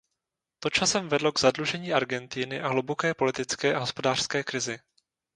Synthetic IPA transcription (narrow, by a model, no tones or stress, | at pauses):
t̪ot͡ʃasɛmvɛdlo̞ɡzadluʒɛɲiːʔaɾɡɛnt̪ɪnɪʔaɦlubokɛːpo̞lɪt̪ɪt͡skɛːʔaɦo̞spo̞daːr̥skɛːkɾɪzɪ